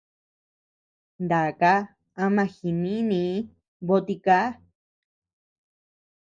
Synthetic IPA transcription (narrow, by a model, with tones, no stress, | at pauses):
nd̪a˨ka˦ | a˧mã˧xi˨nĩ˦mĩ˧˦ | βo˦t̪i˧ka˦